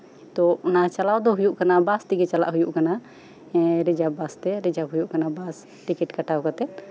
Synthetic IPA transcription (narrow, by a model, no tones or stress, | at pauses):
t̪ɔɔnat͡ʃalawd̪ɔɦujuʔkanabast̪iɡɛt͡ʃala̰ʔɦujuʔkana | ɾid͡ʒabast̪ɛɾid͡ʒab̚ɦujuʔkanabas | ʈikɛʈkaʈawkat̪ɛt̪̚